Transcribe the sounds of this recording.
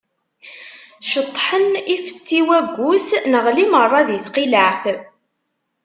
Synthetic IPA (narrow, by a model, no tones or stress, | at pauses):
ʃət̪ˤːħənifə̥t͡sːiwæɡʷːusnəʁlimərˤːɑðiθqiləʕθ